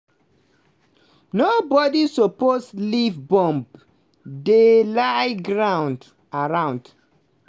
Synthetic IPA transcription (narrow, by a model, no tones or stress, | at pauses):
nobɔdisɔposlivbɔ̃mb | delaɪɡɹãʊ̃nd | aɹãw̃nd̥